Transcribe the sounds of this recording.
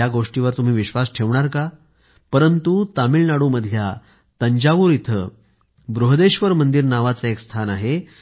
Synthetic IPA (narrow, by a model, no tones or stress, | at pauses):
aɡoʂʈiʋəɾt̪um̤iːʋiɕʋasʈʰeʋɳ̃aɾka | pəɾənt̪ut̪amiːlnaɽuːməd̪ʱja | t̪əɲd͡ʑaʋuːɾit̪ʰə̰ | bɾuɦəd̪eɕʋəɾmənd̪iɾnaʋat͡saekst̪ʰanaɦe